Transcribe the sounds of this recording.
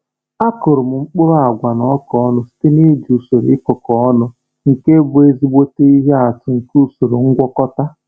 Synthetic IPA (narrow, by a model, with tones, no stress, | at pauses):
a˦kʊ˨ɾʊ˨m̩˨ŋ͡m̩˦k͡pʊ˦ɾa˨ɡʷa˨nɔ˨˦kɔ˦ɔ˦nʊ˦si̥˦te˦ne˦du˨so˨ɾɪ˦kʊ˨kɔ˦ɔ˦nʊ˦ | ŋ̩˨ke˦bʊ˨e˦zi˦ɡ͡bo˦te˦i˦ɦe˦a˨tʊ˨ŋ̩˨ku˦˨so˨ɾo˨ŋ̩˦ɡʷɔ˦kɔ˦ta˦